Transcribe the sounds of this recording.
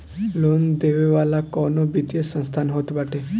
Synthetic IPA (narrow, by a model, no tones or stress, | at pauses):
lond̪eʋeʋalakɔnobʱit̪jəsə̃st̪ʰanɦot̪baʈʰe